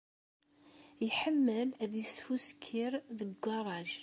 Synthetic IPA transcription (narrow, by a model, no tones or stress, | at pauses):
jəħəmːəlæðjəsfuskʰːiɾðəɡʷːɑɾˤɑʒ